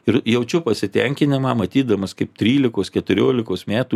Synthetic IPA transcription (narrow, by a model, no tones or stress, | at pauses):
ɪɾjɛʊt͡ʃʲʊpɐsʲɪt̪ʲɛŋʲkʲɪnʲɪmɑːmɐt̪ʲiːd̪ɐmɐskɐɪpt̪ʲɾʲiːlʲɪkoːskʲɛt̪ʊɾʲoːlʲɪkoːsmʲæːt̪uː